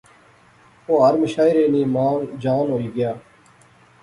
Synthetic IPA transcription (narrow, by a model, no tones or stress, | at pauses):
oːɦəɾmɪʃaːɪɾeːnĩːmaːnd͡ʒaːnɦoːiːɡɪjaː